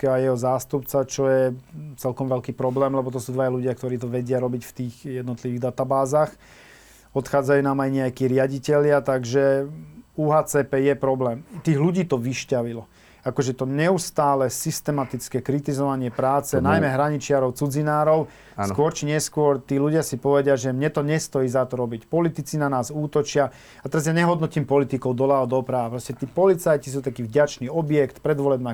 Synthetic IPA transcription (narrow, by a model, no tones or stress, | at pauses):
kɛajɛɦɔzaːst̪upt͡sat͡ʃɔjɛt͡sɛlkɔmʋɛlkiːpɾɔblɛːmlɛbɔt̪ɔsuːd̪ʋajaluɟɪak̚t̪ɔɾiːt̪̬ɔʋɛɟɪaɾɔbicft̪iːɣjɛd̪nɔt̪liʋiːɣd̪at̪abaːzaːx | ɔt̪xaːd͡zajuːnaːmajɲɛjakiːɾɪaɟicɛʎɪat̪aɡʒɛ | uːɦaːt͡sɛːpɛːjɛpɾɔblɛːmt̪iːɣluɟiːt̪ɔʋiʃcaʋilɔ | akɔʒɛt̪ɔɲɛust̪aːlɛsist̪ɛmat̪it͡skɛːkɾit̪izɔʋaɲɪɛpɾaːt͡sɛnajmɛɦɾaɲit͡ʃɪaɾɔʊt͡sud͡zinaːɾɔʊ | skʊɔɾt͡ʃiɲɛskʊɔɾt̪iːluɟɪasipɔʋɛɟɪaʒɛmɲɛt̪ɔɲɛst̪ɔjiːzat̪ɔɾɔbicpɔlit̪it͡sinanaːzuːt̪ɔt͡ʃɪa | at̪ɛɾazjaɲɛɦɔd̪nɔcimpɔlit̪ikɔʊd̪ɔlaɔd̪ɔpɾaʋapɾɔscɛt̪iːpɔlit͡sajcis̬ut̪akiːvɟat͡ʃniːɔbjɛkt̪pɾɛd̪ʋɔlɛbnaː